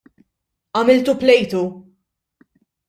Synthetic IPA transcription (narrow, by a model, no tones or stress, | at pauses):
ɐmɪlt̪uplɛjt̪u